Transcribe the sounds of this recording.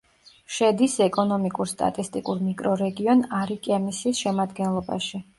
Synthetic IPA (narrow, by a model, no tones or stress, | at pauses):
ʃɛd̪isɛkʼɔnɔmikʼuɾst̪ʼa̰t̪ʼist̪ʼḭkʼuɾmikʼɾɔɾɛɡiɔnaɾikʼamisiːsʃɛmad̪ɡɛnlˠɔba̰ʃi